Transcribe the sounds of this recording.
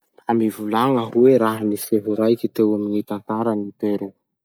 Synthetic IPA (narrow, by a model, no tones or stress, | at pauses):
amivulaŋaɦueɾaɦaniseɦiɾajkʲit̪ewaminit̪ant̪aɾənit̪eɾe